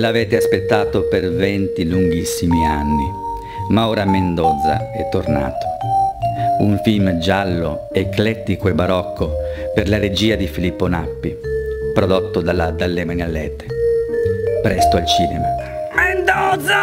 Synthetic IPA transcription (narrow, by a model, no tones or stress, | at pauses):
lavɛːt̪easpet̪ːaːt̪opervɛnt̪iluŋɡisːimia̰nːi | maoːɾamend̪ɔd̪za̰ɛt̪ːorna̰ːt̪o̥ | uɱfilmd͡ʒalːo̰ | eklɛt̪ːikoebaɾɔkʰːoperlaɾed͡ʒiːad̪ifilipːona̰pːipɾod̪ot̪ːod̪alad̪alːemanjalːɛːt̪e̥ | pɾɛst̪oalt͡ʃiːnema | mend̪ɔza